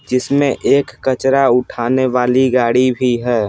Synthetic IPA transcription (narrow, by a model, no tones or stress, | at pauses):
d͡ʒɪsmẽʔeːkːət͡ʃɾaʊʈʰaːneʋaːliɡaːɽibʱiɦɛː